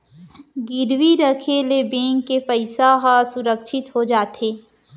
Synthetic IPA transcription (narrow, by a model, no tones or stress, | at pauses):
ɡɪɾwiɾəkʰelebẽːŋkːepəɪsaɦasʊɾəkʃɪt̪ɦod͡ʒaːt̪eː